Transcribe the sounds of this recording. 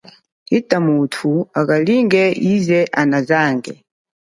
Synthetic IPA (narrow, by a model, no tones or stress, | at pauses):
itʼamutʰuakaliŋɡɛizɛʔanazaːŋɡɛ̰